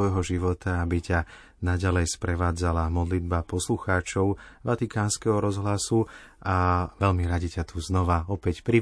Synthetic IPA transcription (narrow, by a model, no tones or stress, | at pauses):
ɔɦɔʒiʋɔt̪aabica | naɟalɛjspɾɛʋaːd͡zalamɔd̪lid̪̚bapɔsluxaːt͡ʃɔʊʋat̪ikaːnskɛɦɔɾɔzɦlasu | aʋɛʎmiɾaɟicat̪ʰuznɔʋaɔpɛcpɾi